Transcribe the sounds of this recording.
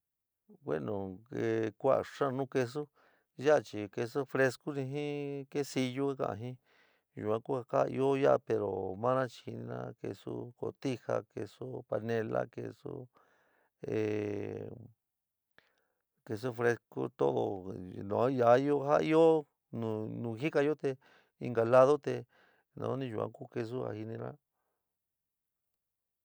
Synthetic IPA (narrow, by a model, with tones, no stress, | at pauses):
wḛ˦nõ˨e˧kʷa˦˨a˨ʂã˦˧nũ˦˧ke˧s̬u˦ | ja˦a˧t͡ʃi˨ke˧so˦fɾe˧sku˦nĩ˧ɦĩ˦ke˦si˧ju˦a˦kã̰˨˧˨ɦĩ˦ | jṵ˨kʷã˧˦ku˦a˧ha˦˧i˧o˦ja˦˧pe˨ɾo˨mã˦nã˦t͡ʃi̥˧hi˧nĩ˧nã̰˦˧kḛ˧sṵ˦ko˧˨t̪i˦ha˧ke˧so˦pa˧nẽ˧la̰˦kḛ˧so̰˦ | e˨ | ke˧s̬u˦fɾe˧sko˦t̪o˦ðo˧nã˨˦ja˨˦i˦o˦ha˦˧i˦o˦ | nũ˧nũ˧ɦi˦ka˧jo˦t̪e˧ | i˧ŋɡa˨la˦ðo˦t̪e˧ | nã̰˨˦nĩ˧ʒu˨kʷã̰˦ku˦ke˧s̬u˦a̰˧˨hi˧nĩ˧ɾã˦